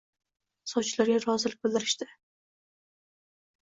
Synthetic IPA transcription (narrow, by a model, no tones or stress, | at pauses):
sɒwt͡ʃʰɪlaɾɡʲaɾɒzɪlɪk̚ʲbɪlˠd̪ɪɾɪ̥ʃt̪ɪ